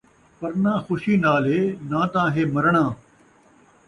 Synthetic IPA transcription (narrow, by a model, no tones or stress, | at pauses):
pɐɾnãːxʊʃiːnaːlɦeːnãːt̪ãːɦeːmɐɾɳ̃ãː